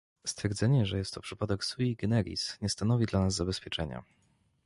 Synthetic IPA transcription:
st̪fʲjɛɾd̪zɛɲɛʐɛjɛst̪ːɔpʂɘpad̪ɛksuiɡɛnɛɾʲḭsɲɛst̪anɔvʲid̪lanazːabɛspʲjɛt͡ʂɛɲa̰

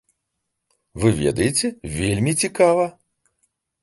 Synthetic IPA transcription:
vɨvʲɛ̰d̪ɐjet͡sʲɛvʲelʲmʲit͡sʲikavɐ

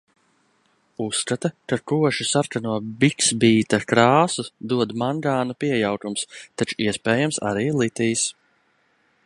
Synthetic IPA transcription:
usːkat̪akakuɔʃisaɾkanuɔbiksbiːt̪akɾaːsud̪uɔd̪maŋɡaːnupiɛjawkumst̪at͡ʃu̥iɛspɛːjamsa̰ɾiːlˠit̪iːs

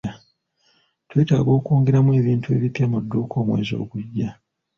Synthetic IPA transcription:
a | twe̞ːta̰ːɡo̞ːkoːŋɡe̞ɾamwe̞ːβiːntue̞̰ːβipjamudːoːko̞ːmwḛːzo̞̰ːkuɟːa

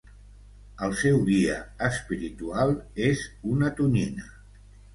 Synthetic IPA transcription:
əlˠsɛwðiəəspiɾit̪ualˠezunət̪uninə

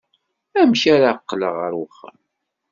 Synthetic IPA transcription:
æmçaɾaqːləʁəɾwəχːə̰m

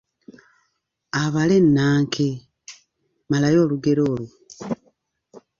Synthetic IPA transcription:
aβalenːaːŋkʰe | malajo̞ːluɡeɾoːlu

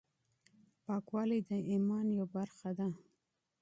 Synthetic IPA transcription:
pɑkwɑlid̪əimɑnjawbaɾxad̪a

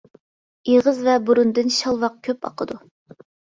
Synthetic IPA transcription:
eʁəzvɛbuɾund̪ɨnʃɑlˠwɑq̚kʲʰøpɑ̰qʰəd̪u

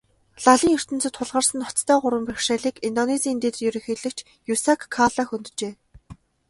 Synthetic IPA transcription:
ɮaɮʲiːŋɵr̥t̪ɘ̆nt͡sɘ̆t̪ʰːʊɮʁə̆rsə̆nɔt͡st̪ʰœːɢʊɾwə̆mpæxʃæːɮiːkint̪ɔnesiːnt̪eːt̪rjɵɾɵ̆xeːɮɘ̆kt͡ɕʰ | jusakʰːaɮaxunt̪̆t͡ɕeː

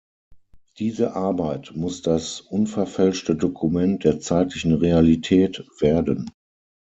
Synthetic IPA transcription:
d̥iːzəʔaɐbaɪtmʊsd̥asʔʊnfɛɐfɛlʃtədokʰumɛnt̚d̥eːɐt͡saɪtlɪçn̩ʁealitʰɛːtv̥eːɐdən

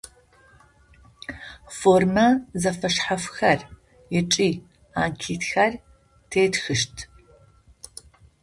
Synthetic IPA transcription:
foːrmɐzɐfɐʂħafxɐr | jɪʈ͡ʂʼiː | aːnkʰiːtxɐr | tʰeːtxɨʃtʰ

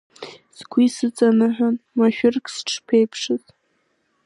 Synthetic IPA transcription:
sɡʷisɨt͡sʼanɨħʷᶣanmaʃᶣʊrkʰʼsʈ͡ʂʰpʰejpʰʂɨz̥

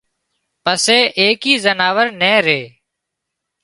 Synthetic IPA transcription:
pəseːʔeːkiːzənaːʋəɾnẽːɾeː

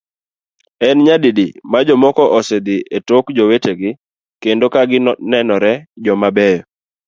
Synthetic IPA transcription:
ɛnɲadidḭmad͡ʒɔmɔkɔʔɔsed̪iʔetokd͡ʒoweteɡɪ | kendokaɡɪnɛnɔɾɛd͡ʒɔmabɛjɔ

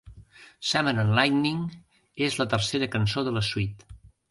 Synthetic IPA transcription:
samənənlajtniŋ | ezlət̪ərseɾəkənsoðələswit̪

